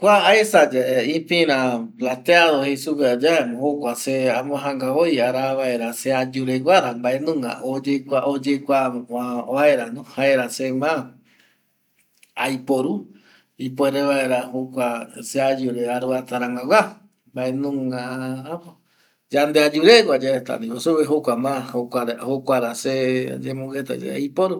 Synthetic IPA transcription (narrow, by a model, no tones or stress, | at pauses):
kʷaaesad͡ʒaeĩpĩɾãplat̪eaðohejsuped͡ʒaemõhokʷaseamõɦãŋɡaojaɾaβaeɾasead͡ʒuɾewaɾambaʔenũŋɡa̰od͡ʒekʷaʔod͡ʒekʷaaaeɾanõhaeɾasemã | ajpoɾu | ipweɾeβaeɾahokʷasead͡ʒuɾeaɾuat̪aɾaŋɡawa | mbaenũŋaapo | d͡ʒand̪ead͡ʒuɾewad͡ʒaet̪a̰nĩβosuβeɦokʷamãhokʷaɾahokʷaɾased͡ʒemũɡet̪a̰d͡ʒḛa̰jpoɾu